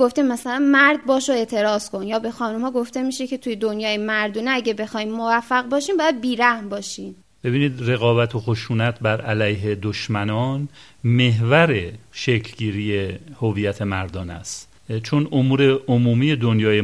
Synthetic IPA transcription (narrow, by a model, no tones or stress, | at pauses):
ɡoft̪immæsælænmæɾd̪̚bɒːʃoe̞ːt̪ʰe̞ɾɒːz̥ko̞njɒːbe̞xɒːnumhɒːɡo̞ft̪e̞miːʃecʰe̞t̪ʰujed̪onjɒːjemæɾd̪uːneæɟæbe̞xɒːimːovæfːæɣbɒːʃiːmbɒːjæd̪̚biːɾæhmbɒːʃiːm | b̥e̞biːniːd̪re̞ɣɒːbæt̪ʰoxoʃuːnæt̪ʰbæɾʔælæjɦe̞d̪oʃmænɒːn | me̞ɦvæɾeʃekʰlɟiːɾijehoviːjæt̪ʰe̞mæɾd̪ɒːnæ̰st̪ | t͡ʃʰonʔomuːɾeomuːmiːje̞d̪onjɒːje